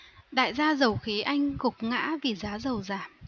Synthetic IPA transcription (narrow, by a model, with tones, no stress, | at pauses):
ɗa̰ː˧˨jzaː˧zə˨˩wxi˨˦ʔa˧jŋ̟kʊ˨˩k͡p̚ŋa̰ː˧˥vi˨˩zaː˨˦zə˨˩wzaː˨˩m